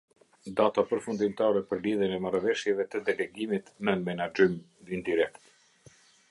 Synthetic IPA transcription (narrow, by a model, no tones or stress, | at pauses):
d̪at̪apəɾfund̪imt̪aɾɛpəɾliðjənɛmaɾavɛʃjɛvɛt̪əd̪ɛlɛɡimit̪nəmɛnad͡ʒim | ind̪iɾɛkt̪